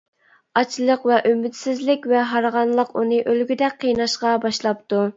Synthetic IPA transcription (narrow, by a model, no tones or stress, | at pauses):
ɑt͡ʃʰlˠəqvɛʔymɪt̪sɪzlɪkʲvɛɦɑɾʁɑnlˠəqunɨʔølɡʲyd̪ɛk̚ʲqʰːəjnɑʃqɑbɑʃlˠɑp̚t̪u